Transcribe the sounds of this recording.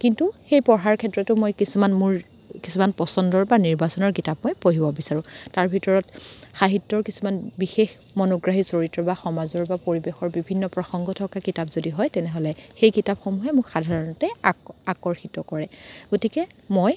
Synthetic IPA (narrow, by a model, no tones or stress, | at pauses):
kintuxejpɔɹɦaɹkʰɛtːɹɔtʊmojkisumanmʊɹ | kisumanpɔsɔndɔɹbaniɹbasɔnɔɹkitap̚mojpoɦibɔbisaɹʊ̃taɹbʱitɔɹɔtxaɦitːɔɹkisumanbixex | mɔnoɡɹaɦisoɹitːɔbaxɔmazɔɹbapoɹibexɔɹbibʱinːɔpɹɔxɔŋɡɔtʰɔkakitabzodiɦɔjtɛnɛɦɔlɛxejkitapxomuɦɛmʊkxadʱaɹɔnɔtɛakɔɹxitɔkɔɹɛɡ̥otikɛmoj